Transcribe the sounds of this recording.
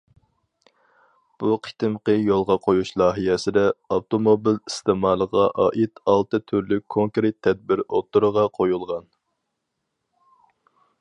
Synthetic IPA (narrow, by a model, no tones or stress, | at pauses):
b̥uqʰi̥t̪ɪmqəjolˠʁɑqʰojuʃlˠɑːɦijɛsɪd̪ɛot̪omobilist̪emɑːlˠəʁɑʔɑːʔit̪ɑlˠt̪ɨt̪ʰyɾlyk̚ʲʰoŋkɾet̪ʰːɛd̪̚bɪɾot̪ʰːuɾəʁɑqʰojulˠʁɑn